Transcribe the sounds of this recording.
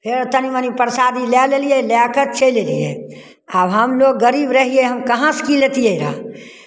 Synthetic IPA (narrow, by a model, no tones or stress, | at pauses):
pʰeɾt̪ənimənipəɾsaːd̪ilɛlelielɛkət͡ʃeleliḛ | abɦəmloɡːəɾiːbɾəɦieɦəmkɐɦãskileːt̪ijeeɾa̰ː